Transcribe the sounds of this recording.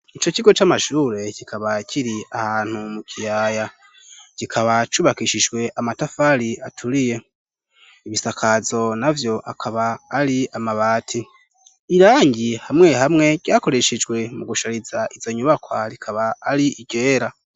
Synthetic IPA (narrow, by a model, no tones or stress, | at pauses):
it͡ʃo̞ciɡo̞t͡ʃamaʃuːɾe̞cikʰaβacʰiɾiahaːn̥humukʰijaːja | cikʰaβat͡ʃuβakiʃid͡ʒɡwe̞ʔamatafaːɾiatʰuɾije̞ | iβisakʰazo̞navjo̞ʔakʰaβaːɾiamaβaːtʰi | iɾaːɲɟihamŋe̞hamŋe̞ɟ̥ɟaːko̞ɾe̞ʃed͡ʒɡwe̞muɡuʃaɾizaʔizo̞ɲuβakwaɾikʰaβaːɾiʔiɟ̥e̞ːɾa